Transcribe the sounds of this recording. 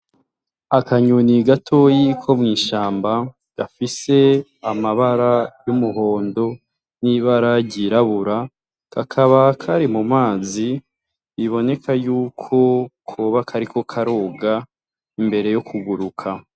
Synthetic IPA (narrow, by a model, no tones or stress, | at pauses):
akaɲuniɡatʰo̞jikʰo̞mŋiːʃaːmba | ɡ̥afise̞ | amaβaɾajumuɦo̞ːndo̞ | niβaɾaɟiɾaβuɾa | kakʰaβakʰaɾimumaːziː | βo̞ne̞kʰajuːkʰo̞kʰoβakʰaɾikʰo̞kʰaɾoːɡa | imbe̞ɾe̞jokʰuɡuɾukʰa